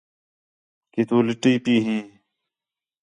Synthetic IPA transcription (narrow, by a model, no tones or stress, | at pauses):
kit̪uːlɪʈiːpiːɦĩː